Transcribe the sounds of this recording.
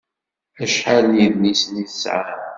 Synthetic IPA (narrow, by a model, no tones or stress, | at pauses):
æʃħaljiðnisniθəsʕa